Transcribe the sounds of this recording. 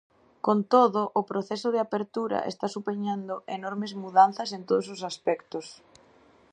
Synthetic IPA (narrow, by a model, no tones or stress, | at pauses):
kont̪oðʊʔːpɾoθesʊðɪapeɾt̪uɾɐ̰ʔḛst̪asupeɲand̪ʊʔenɔɾmezmuðan̟θɐs̬ent̪oðos̬os̬aspɛkt̪ʊs